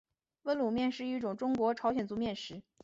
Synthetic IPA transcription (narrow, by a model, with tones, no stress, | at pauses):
wə˧˥nlu˨˩mjɛ˥˧nʂɻ̩˥˧i˥˩ʈ͡ʂʊ˨˩ŋʈ͡ʂʊ˥ŋkwɔ˧˥ʈ͡ʂʰɑ˧˥ʊɕjɛ˨˩nt͡su˧˥mjɛ˥˩nʂɻ̩˧˥